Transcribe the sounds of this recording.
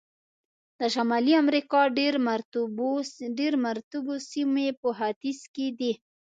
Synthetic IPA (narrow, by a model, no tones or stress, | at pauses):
d̪̥əʃamɑliamɾikɑɖeɾmɾ | ɖeɾmaɾt̪ubosimepəɦad̪isked̪i